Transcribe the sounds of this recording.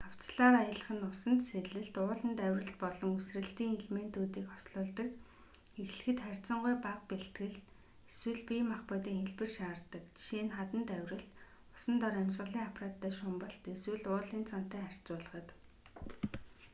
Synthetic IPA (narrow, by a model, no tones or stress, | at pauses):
aw̥t͡sɮaːɾajə̆ːɮə̆χə̆nʊsə̆nt̪seɮɘ̆ɮt̪ʊːɮə̆nt̪æwʲrə̆ɬt̪̚pɔɮɞ̆ŋusrɘ̆ɬt̪iːŋeɮmen̥t̪uːt̪iːkχɔ̥sɮʊːɮt̪ə̆kt͡ɕ | xexɮɘ̆xɘ̆t̪χær̥ʲt͡sə̆ɴɢʊjpaqpeɬt̪ɡɘ̆ɮt̪ | eswɘ̆ɮpʲimaχpʊt̪iːŋxeɮpɘ̆rʃaːrt̪ə̆kʃiːnχat̪ə̆nt̪æwʲrə̆ɬt̪ | ʊ̥sə̆nt̪ɔɾæmʲsʁə̆ɮiːŋapʰraːt̪ːæːʃʊmpə̆ɬt̪eswɘ̆ɮʊːɮĭːnt͡sʰɔn̥t̪æːχær̥ʲt͡sʊːɮə̆χə̆t̪